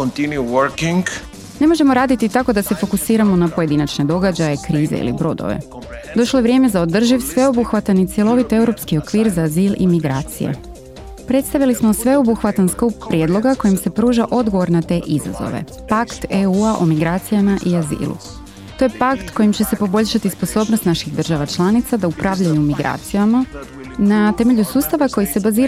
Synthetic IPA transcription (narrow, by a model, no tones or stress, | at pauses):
kont̪injuwəɾkĩŋɡ | ne̞mo̞ʒe̞mo̞ɾaːd̪it̪it̪ako̞d̪ase̞fo̞kusiːɾamo̞napo̞je̞d̪inat͡ʃne̞d̪o̞ɡad͡ʑaje̞kɾiːze̞̰ḭlḭbɾo̞d̪o̰ʋḛ | d̪o̞ʃloe̞ʋɾje̞ːmezaod̪r̩ʒiʋsʋe̞o̞buxʋat̪anit̪sje̞lˠo̞ʋit̪e̞wɾo̞pskio̞kʋiːɾzaːziːlʔimiɡɾaːt̪sḭjḛ | pɾe̞t̪st̪aʋilismo̞sʋe̞o̞buxʋat̪ansklupːɾjed̪lˠo̞ɡako̞jimse̞pɾuːʒaʔo̞d̪ɡo̞ʋo̞ɾnat̪e̞ːʔiza̰zo̞̰ʋe̞̰ | pakt̪euːaʔomiɡɾaːt̪sijamaʔiazḭːlṵ | t̪o̞je̞pakt̪ko̞jimt͡ɕe̞se̞po̞bo̞ʎʲʃat̪ispo̞so̞ːbnost̪naʃiɣd̪r̩ʒaʋat͡ʃlˠanit̪sad̪aupɾaʋʎajumiɡɾʔa̰ːt̪sijama | nat̪e̞me̞ʎusuːst̪aʋako̞jise̞baziːɾ